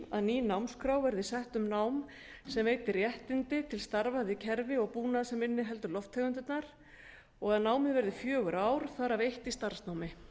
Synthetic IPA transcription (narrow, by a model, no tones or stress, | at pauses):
a̰ðniːnawmskɾawvɛɾðɪsɛht̪ʏmnawm | sɛmveːjt̪ɪrjɛht̪ɪnt̪ɪt̪ʰɪlst̪aɾvaðɪcʰɛɾvɪɔɣpuːnasɛmɪnːɪɦɛl̪t̪ʏlɔft̪ʰːɛɣʏnt̪ʏt̪naɾ̥ | ɔɣaðnaːwmɪðvɛɾðɪfjœːɣʏɾʔaːwɾ̥θaɾavejht̪ist̪aɾ̥snawmɪ